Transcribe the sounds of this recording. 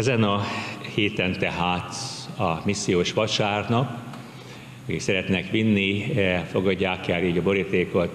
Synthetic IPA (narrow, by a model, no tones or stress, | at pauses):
ɛzɛnɒheːt̪ɛnt̪ɛɦaːt̪ɒmisːijoːʃʋɒʃaːrnɒk | ɒkḭksɛɾɛt̪nɛkʋinːiɛfo̞ɡɒɟːaːkɛlːiːɟɒbo̞ɾit̪eːko̞t̪